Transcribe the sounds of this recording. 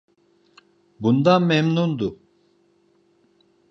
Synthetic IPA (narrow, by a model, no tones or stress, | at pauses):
bund̪anmɛmnund̪u